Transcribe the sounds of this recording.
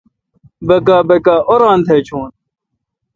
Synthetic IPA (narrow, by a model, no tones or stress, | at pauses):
bɐkaːbekaːʔoɾãːnt̪ʰeːt͡ɕʰoːn